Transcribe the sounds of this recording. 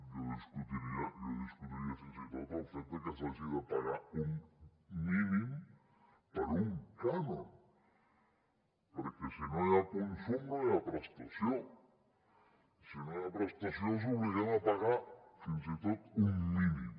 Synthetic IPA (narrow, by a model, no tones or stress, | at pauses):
ʎoðiskut̪iɾiaʎoðiskut̪iɾiafinsit̪ot̪ofent̪ekesasiðapaɣauŋ | limin | paɾuŋkanõn | poɾkesinojaponsoŋnojapɾast̪asjoŋ | sinojapɾest̪asjos̬uβeɣaŋapaɣafinsit̪ot̪uŋlimin